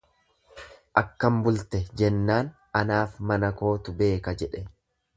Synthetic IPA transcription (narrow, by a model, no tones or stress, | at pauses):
ʔɐkːɐmbʊlt̪ɛd͡ʒɛnːaːn | ɐnaːfmɐnɐko̞ːt̪ʊbe̞ːkɐd͡ʒɛᶑɛ